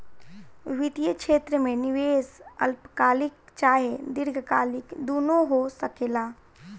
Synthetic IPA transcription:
ʋɪt̪ijəkʃeːt̪ɾəmẽnɪʋeːsə̰lpkaːlɪk̚t͡ʃaːɦed̪ɪɾɡʱkaːlɪkd̪oːnoɦosəkeːlaː

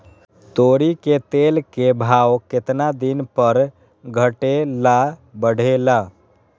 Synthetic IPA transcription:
t̪oɾiket̪elkebʱaoket̪nad̪inpəɾ | ɡʱəʈelabəɽ̤ʱela

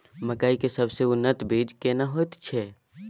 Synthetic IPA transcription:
məkaːikesəbseʊnːət̪bʱiːd͡ʒkenaɦoːt̪t͡ʃʰeː

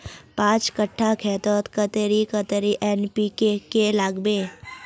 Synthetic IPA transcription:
pãːt͡ʃkəʈʰːakʰɛːt̪ɔt̪kət̪eɾikət̪eɾiʔɛnpikekelaːɡbeː

